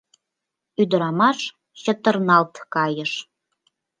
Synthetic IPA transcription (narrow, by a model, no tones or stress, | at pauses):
yd̪ə̆ɾɑmɑʃ | t͡ɕə̆t̪ə̆rnɑlt̪kɑjə̆ʃ